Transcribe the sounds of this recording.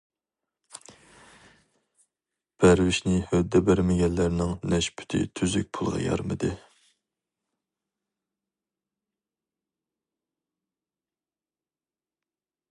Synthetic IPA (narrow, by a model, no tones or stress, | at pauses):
b̥æɾwɪʃnɪhœd̪ːɛbæɾmɛɡʲɛnːæɾnɪŋnɛʃpʰy̥t̪ʰɪ̰t̪ʰyzyk̚ʲpʰulˠʁɑ̰jɑ̰ɾmɨ̰d̪ɨ